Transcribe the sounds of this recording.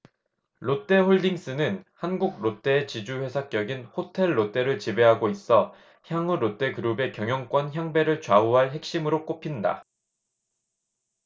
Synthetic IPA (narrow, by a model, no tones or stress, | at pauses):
ɾot͈e̞hoɭdiŋs͈ɯnɯnhanɡuɡ̚ɾot͈e̞ːt͡ɕid͡ʑuɸe̞sʰak͈jʌɡinhotʰe̞ɭːot͈e̞ɾɯɭt͡ɕibe̞ɦaɡois͈ʌ | çjaŋuɾot͈e̞kɯɾube̞kjʌŋjʌŋk͈wʌnçjaŋbe̞ɾɯɭt͡ɕwauɦaɭɦe̞k̚ɕ͈imɯɾok͈opʰinda̰